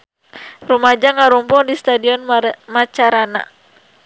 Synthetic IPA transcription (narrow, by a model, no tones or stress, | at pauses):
rumad͡ʒaŋaɾumpɔŋdist̪adiɔnmat͡ʃaɾana̰